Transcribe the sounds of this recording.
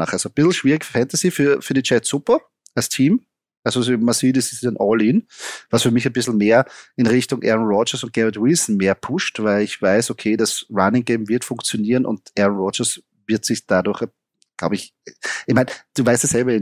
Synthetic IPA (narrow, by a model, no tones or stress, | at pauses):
aχʔalzobɪsl̩ʃv̥iːʁɪçfɛ̃ntɐsifyːɐfyːɐɾit͡ʃɛtsʊpɐ | alstʰiːm | ʔalzosmasiːdəsɪsɛnʔɔlɪnvasfyːɐmɪçænb̥ɪsl̩meːɐɪnʁɪçtʊŋʔɛ̰ɐnʁɔt͡ʃəsʊnt̚ɡ̥ɛʁətwɪlsn̩meːɐpʰʊʃtvæɪlɪçv̥aɪsokʰeːdasɹanɪŋɡeːmvɪɐtfʊ̃ŋkt͡sjoniːʁənʔʊ̰̃ntʔɛɐnʁɔd͡ʒəs | vɪɐtsɪçd̥aduɐx | ɡ̥la̰ʊəɪç | ʔɪçmaæɪnd̥uːvaɪstəsɛlbɐɪn